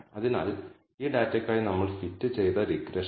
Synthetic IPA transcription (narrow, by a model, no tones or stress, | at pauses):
ɐðina̰ːl | iːɖaːtːɐkʲːaːjinɐmːɐɭfitːɨt͡ɕe̞jt̪ɐɾikːɾeʂ